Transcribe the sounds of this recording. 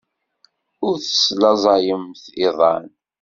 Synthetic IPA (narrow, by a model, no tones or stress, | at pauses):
ʊɾθə̥slɑzˤɑjəmθɪðˤɑ̰n